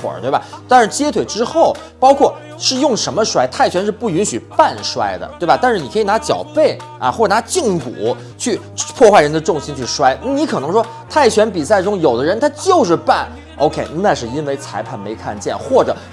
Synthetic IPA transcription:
wə̰˨˩t̪we˥˩ɪba˨˩t̪a˥˧nʂɻ̩˥˩t͡ɕjɛ˥t̪ʰwe˨˩ɪʈ͡ʂɻ̩˥xo˥˩ʊ | pɑ˥ʊkʰwɔ˥˩ | ʂɻ̩˥˧jʊ˥˩ŋʂə˧˥nmə˧ʂwa˥ɪt̪ʰa˥˩ɪt͡ɕʰɥɛ˧˥nʂɻ̩˥˧pu˥˩y˧˥nɕy˨˩pa˥˩nʂwa̰˥ɪd̪ə̰˨t̪we˥˩ɪba˨˩t̪a˥˧nʂɻ̩˥˩ni˨˩kʰɤ˧˥i˨˩na˧˥t͡ɕjɑ̰˨˩ʊpe˥˩ɪ | ɐ̰˧˩xwɔ˥˩ə˨˩na˧˥t͡ɕi˥˩ŋkṵ˨˩˦ | t͡ɕʰy˥˩ | pʰwɔ˥˧xwa˥˩ɪɻə˧˥nd̪ə˧ʈ͡ʂʊ˥˩ŋɕi˥nt͡ɕʰy˥˩ʂwa˥ɪna˥˩ni˧˥kʰɤ˨˩nɤ˧˥ŋʂwɔ˥ | t̪ʰa˥˩ɪt͡ɕʰɥɛ˧˥npi˨˩sa˥˩ɪʈ͡ʂʊ˥ŋjo˨˩ʊd̪ə˦ɻə˧˥nt̪ʰa˥t͡ɕjo˥˧ʊʂ̬ɻ̩˥˧pa˥˩n | ʔo̰˧˥ʊkʰe˥ɪn˥˩na˥˧ʂɻ̩˥˩i˥nwe˥˧˩ɪt͡sʰa˧˥ɪpʰa˥˩nme˧˥ɪkʰa̰˥˧nt͡ɕjɛ̰˥˩nxwɔ˥˩ʈ͡ʂɤ̰˨˩˦

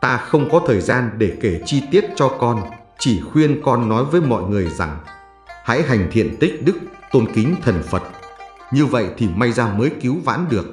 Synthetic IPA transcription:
t̪aː˧xə˧wŋ͡mkɔ˨˦t̪ʰəː˨˩jzaː˧nɗe˧˩ke˧˩t͡ɕi˧t̪i˦˥ət̚t͡ɕɔ˧kɔ˧n | t͡ɕi˧˩xwi˧ənkɔ˧nːɔ˨˦jvəː˨˦jmɔ̰˧˨jŋɨ˨˩əjza˨˩ŋ | ha̰˧˥jɦa˨˩jŋ̟t̪ʰḭ˧˨ənt̪ï˦˥k̟̚ɗɨ˦˥k̚t̪o˧nkï˨˦ŋ̟t̪ʰə˨˩nfə˨˩t̚ | ɲɨ˧və̰˧˨jt̪ʰi˨˩ma˧jzaː˧məː˨˦jki˨˦wva̰ː˧˥nɗɨ˨˩ək̚

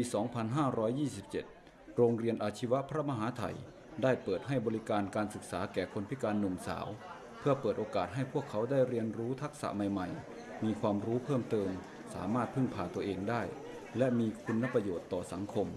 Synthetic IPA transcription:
piː˧sɔː˩˦ŋpʰa˧nɦaː˥˩ɾɔː˦˥jːiː˥˩s̬i˨˩p̚t͡ɕe˨˩t̪̚ | ɾoː˧ŋɾi˧ənʔaː˧˩t̪ʰi˦˥wa˦˥pʰɾa˧˥ma˧ɦaː˩˦t̪ʰa̰˧˩j | daː˥˩jpɤː˨˩t̪̚ɦa˥˩jbɔː˧li˦˥kaː˧nkaː˧nsɯ˨˩k̚saː˩˦kɛː˨˩kʰo˧npʰi˦˥kaː˧nːu˨˩ŋsa̰ː˩˦w | pʰɯ˥˩ɐpɤː˨˩t̪ʔoː˧kaː˨˩t̪̚ɦa˥˩jpʰu˥˩əkʰːa˩˦˥wdaː˥˩jɾi˧ənɾuː˦˥t̪ʰa˦˥k̚sa̰˧˦ʔma˨˩jma˨˩j | miː˧kʰwaː˧mɾuː˦˥pʰɤː˥˩mt̪ɤː˧m | sa̰ː˩˦maː˥˩t̪̚pʰɯ˥˩ŋpʰaː˧t̪u˧əʔeː˧ŋdaː˥˩j | lɛ˦˥miː˧kʰu˧nːa˧˥pa˧joː˨˩t̪ːɔː˨˩sa˩˦ŋkʰo˧m

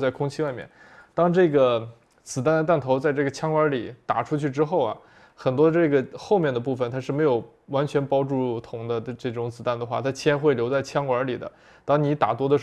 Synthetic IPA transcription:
t͡sa˥˩ɪkʰʊ˥ŋt͡ɕʰi˥wa˥˧ɪmjɛ̰˥˩n | t̪ɑ˥ŋʈ͡ʂɤ˥˩ɡə˩ | t͡sɹ̩˨˩t̪̬a˥˩nd̪ə˩t̪a˥˩nt̪ʰo˧˥ʊt͡sa˥˧ɪʈ͡ʂɤ˥˩ɡə˩t͡ɕʰjɑ˥ŋwə˞˧˥li˨˩˦t̪a̰˨˩ʈ͡ʂʰu˥t͡ɕʰy˥˩ʈ͡ʂɻ̩˥xo˥˩ʊɐ̰˩ | xə˨˩nt̪wɔ˥ʈ͡ʂɤ˥˩ɡə˩xo˥˧ʊmjɛ˥˩nd̪ə˩pu˥˩fə˩nt̪ʰa˥ʂɻ̩˥˩me˧˥ɪjo˨˩ʊ | wa˧˥nt͡ɕʰɥɛ˧˥npɑ˥ʊʈ͡ʂu˥˩t̪ʰʊ˧˥ŋd̪ə˧ʈ͡ʂɤ˥˩ʈ͡ʂʊ˧˥ŋt͡sɹ̩˨˩t̪a˥˩nd̪ə˩xwa˥˩t̪ʰa˥t͡ɕʰɛ˥nxwe˥˩ɪljt͡sa˥˩ɪt͡ɕʰjɑ˥ŋwə˞˧˥li˨˩d̪ə̰˦ | t̪ɑ˥ŋni˧˥t̪a̰˨˩t̪̬wɔ˥d̪ə˧˩

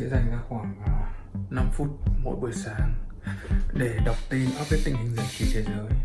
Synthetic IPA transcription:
ḛ˧˥za˨˩ŋkaː˦˥kxwaː˧˩ŋvaː˨˩na˧mfu˦˥t̚mo̰˧˥˦jɓu˨˩əjsaː˨˦ŋ | ɗe˧˩ɗə˨˩wk͡p̚t̪i˧nʔaː˦˥p̚vi˦˥t̪ï˧˨ŋ̟hï˧ŋ̟zə˧nt͡ɕi˨˦t͡ɕe˧zəː˨˦j

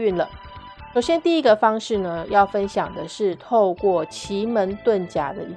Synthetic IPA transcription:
y˥˩nlə˩ | ʂo˨˩ʊɕjɛ˥nt̪i˥˩i˦˥ɡə˧fɑ˥ŋʂɻ̩˥˩nə˩jɑ˥˩ʊfə˦˥nɕjɑ˨˩ŋd̪ə˦ʂɻ̩˥˩t̪ʰo˥˧ʊkwɔ˥˩t͡ɕʰi˧˥mə˧˥nt̪wə˥˩nt͡ɕja̰˨˩d̪ə̰˦˥˩

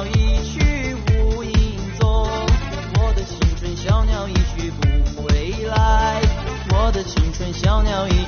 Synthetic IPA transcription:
i˧t͡ɕʰy˥u˧˥ | i˥˩ŋt͡so˥ | wɔ˨˩d̪ə˧t͡ɕʰi˧˥ŋʈ͡ʂʰwə˥nɕjɑ˥ʊnjɑ˧˥ʊi˧˥t͡ɕʰy˥˩pu˨˥˩xwe˧˥ɪla˧˥˦ɪwɔ˨˩˦d̪ə˧t͡ɕʰi˧˥ŋʈ͡ʂʰwə˥nɕjɑ˥ʊnjɑ˧˥ʊi˧˥

